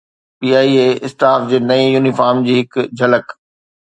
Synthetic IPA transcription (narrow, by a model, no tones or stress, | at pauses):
piːaːieːɪsʈaːfd͡ʑeːnɐĩjuːnifaːɾmd͡ʑiːɦɪkd͡ʑʱɐlək